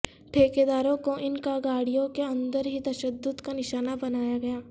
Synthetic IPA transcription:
ʈʰeːked̪aːɾõkoʔɪnkaɡaːɽijõkeɐ̃nd̪əɾɦit̪ɐʃəd̪ːʊd̪kanɪʃaːnabɐnaːjaɡɐjaː

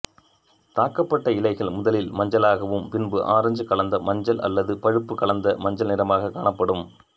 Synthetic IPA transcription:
t̪aːkːɐpːɐʈːɐɪlɐɪɣɐɭmʊðɐlɪlmɐɲd͡ʒɐlaːɣɐʋɯmpɪnbɯʔaːɾɐɲd͡ʒɯkɐɭɐnd̪ɐmɐɲd͡ʒɐlɐ̰lːɐðɯpɐɻɯpːɯkɐɭɐnd̪ɐmɐɲd͡ʒɐlnɪɾɐmaːɣɐkːaːɳɐpːɐɽɯm

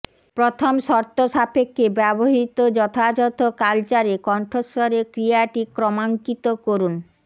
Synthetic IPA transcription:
pɾot̪ʰomʃɔɾt̪oʃapʰekːebɛboɦit̪od͡ʑɔt̪ʰad͡ʑɔt̪okalt͡ɕaɾekɔɳʈʰosoɾekɾiaʈikɾɔmaŋkit̪okoɾun

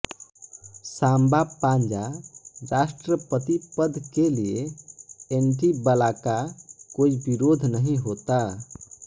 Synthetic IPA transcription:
sambapãnd͡ʒaɾasʈɾəpət̪ipəd̪ʱkelie | eɳʈibəlakakoibiɾod̪ʱnəɦĩɦot̪a

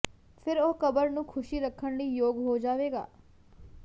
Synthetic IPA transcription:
pʰɪɾoːkəbəɾnũːkʰʊʃiːɾəkʰːəɳləiːjoːɡɦoːd͡ʒaːʋeːɡa̰ː

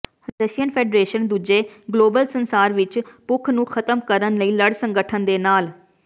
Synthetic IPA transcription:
d̪esijənpʰɛːɖɾeːʃənd̪uːd͡ʒeːɡloːbəlsənsaːɾʋɪt͡ʃpʊkʰnũːkʰət̪əmkəɾənləiːləɽsəŋɡəʈʰənd̪eːnaːl

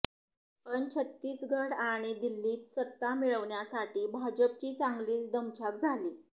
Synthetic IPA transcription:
pəɳt͡ɕʰət̪ːiːsɡʱəɽaɽ̃id̪ilːiːt̪sət̪ːamiɭəʋɳjasaʈiːbʱad͡ʑəp̚t͡ɕiːt͡saŋɡliːt͡sd̪əmt͡ɕʰak̚d͡zʱaliː

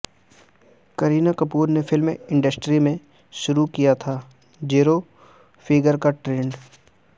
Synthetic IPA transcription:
kɐɾiːnakɐpuːɾnefʰɪlmeɪ̃ɳɖəsʈɾimẽ | ʃʊɾukijat̪ʰaː | d͡ʒiːɾo | fʰɪːɡəɾkaʈɾẽːɳɖ

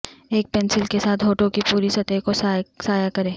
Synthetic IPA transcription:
eːk̚pɛːnsɪlkesaːt̪ɦoːʈõkipuːɾisɐt̪ekosasaːjakɐɾẽː

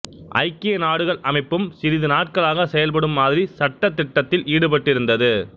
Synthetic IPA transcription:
ʔɐ̰ɪkːɪnaːɽɯɣɐɭʔɐmɐɪpːɯmsɪɾɪðɯnaːʈ̚kɐɭaːɣɐsɛjɐlpɐɽɯmːaːðɪɾisɐʈːɐt̪ːɪʈːɐt̪ːɪlʔiːɽɯpɐʈːɪɾɯnd̪ɐðɯ

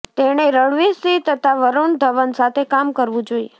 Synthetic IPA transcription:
t̪eɽ̃eɾəɭʋisit̪ət̪ʰaʋəɾoɳd̪ʱəʋənsat̪ʰekamkəɾʋũd͡ʒoie

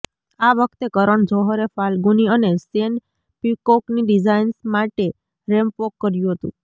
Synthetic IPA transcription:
aʋəkʰt̪ekəɾəɳd͡ʒɔɦəɾefalɡuniənesen | pikokniɖid͡ʒainsmaʈe | ɾempokːəɾjũɦət̪ṵ̃

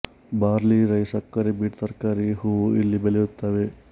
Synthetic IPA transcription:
baːɾliɾɐjsɐkːɐɾibiːʈsɐɾkaːɾiɦuːilːibelejut̪ːaːʋe

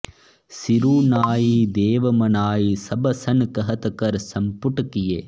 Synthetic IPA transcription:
siɾuːnaːjid̪eːʋɐmɐnaːjisɐbɐsɐnkɐɦɐt̪ɐkɐɾsɐmpuʈɐkijeː

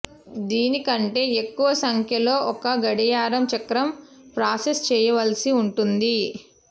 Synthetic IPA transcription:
d̪iːnikɐɳʈe̞ːekːuʋɐsɐŋkʰjɐlo̞ːʔɔkɐɡɐɽɐjaːɾɐmt͡ʃɐkɾɐm | pɾaːsest͡ʃɛːjɐʋɐlsiuɳʈund̪i

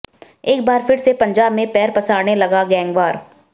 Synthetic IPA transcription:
eːk̚baːɾfʰɪɾsepɐ̃ɲd͡ʒaːbmẽpɛːɾpɐsaːɾnelɐɡaɡɛ̃ːŋɡʋaːɾ

